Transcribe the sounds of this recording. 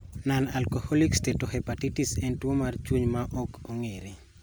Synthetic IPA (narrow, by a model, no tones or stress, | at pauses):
nanalkohɔlikstetoɦɛpatitisɛntwomart͡ʃwuɲmaʔokoŋeɾi